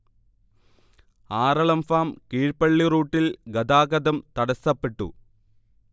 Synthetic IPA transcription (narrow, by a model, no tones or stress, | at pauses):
aːɾɐɭɐmfaːmkiːɻpɐɭːiruːʈːilɡɐd̪aːɣɐd̪ɐmt̪ɐɽɐsːɐpːeʈːṵ